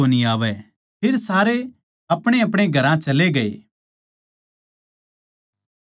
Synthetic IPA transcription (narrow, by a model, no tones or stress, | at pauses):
oniaːʋɛ | pʰɪɾsaːɾe | ɐpɽ̃eɐpɽ̃eɡʱɐɾãt͡ʃɐleɡɐḛː